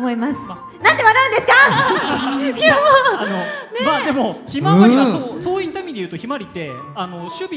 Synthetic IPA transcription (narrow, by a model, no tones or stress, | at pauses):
mo̞imasɨ̥a | nãt̪t̪ːeβanaɯ̃nd̪e̞sɨ̥ka | aanonemaːd̪e̞mo̞çimaaɾiasosoːit̪ːaimʲid̪ejɯ̟ːt̪o̞çimaɾʲit̪ːe̞ | ano̞ɕɨbʲi